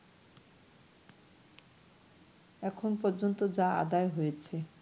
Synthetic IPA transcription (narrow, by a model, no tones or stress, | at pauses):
ɛkʰonpɔɾd͡ʑont̪od͡ʑaa̰d̪aeɦojet͡ɕʰe